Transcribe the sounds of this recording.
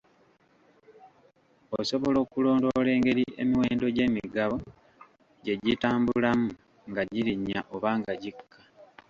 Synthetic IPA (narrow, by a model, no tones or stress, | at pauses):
oso̞βo̞lo̞ːkulo̞ːndole̞ːŋɡe̞ɾiʔe̞̰miwe̞ːndo̞ɟe̞ːmiɡaβo̞ | ɟe̞ɟitaːmbulamu | ŋɡaɟiɾiɲːaʔo̞βaːŋɡaɟikːḁ